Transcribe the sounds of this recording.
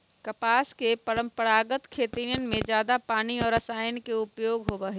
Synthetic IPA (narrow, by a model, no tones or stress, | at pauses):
kɐpaːskepəɾə̃mpəɾaːɡət̪kʰeːt̪iɾjən̆mẽd͡ʒjaːd̪apaːniɔːɾɐsaːjnkeʊpjoːɡɦobɐɦe